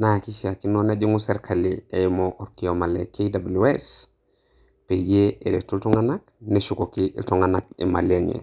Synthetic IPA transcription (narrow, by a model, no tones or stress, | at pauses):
nakisiakinonaɟiŋuseɾkʰaliejmoʔoɾkiomalekedabulues | peɟeeɾetultuŋanak̚neʃukokiltoŋanak̚ḭma̰lieŋḛ